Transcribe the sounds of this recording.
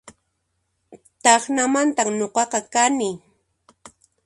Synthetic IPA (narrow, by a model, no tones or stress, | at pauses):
t̪ɑχnamant̪amɲoqɑqɑkanɪ